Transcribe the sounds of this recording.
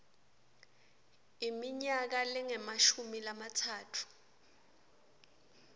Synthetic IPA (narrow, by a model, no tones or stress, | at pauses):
imiɲak̬alɛŋɛmaʃumilamatʰaːtʰu̥